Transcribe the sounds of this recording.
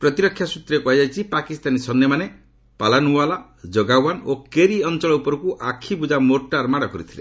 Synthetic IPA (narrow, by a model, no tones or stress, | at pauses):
pɾɔt̪iɾɔkʰːjasut̪ɾekuajajt͡ʃʰipakist̪anisɔnjemane | palanuala | d͡ʒɔɡawanokeɾiɔnt͡ʃɔɭɔupɔɾɔkuʔakʰibud͡ʒamoʈːaɾmaɽɔkɔɾit̪ʰile